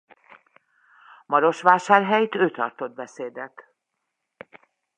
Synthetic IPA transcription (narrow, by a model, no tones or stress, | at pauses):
mɒɾo̞ʃʋaːʃaːrɦɛjt̪øːt̪ɒ̰rt̪o̞d̪̚bɛseːd̪ɛt̪